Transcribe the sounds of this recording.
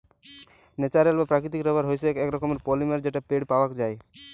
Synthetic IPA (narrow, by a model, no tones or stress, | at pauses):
net͡ʃaɾelbapɾakɾit̪ikɾɔbaɾɦojsekɛkɾɔkomeɾpolimeɾd͡ʑeʈapeɽpawakd͡ʒaej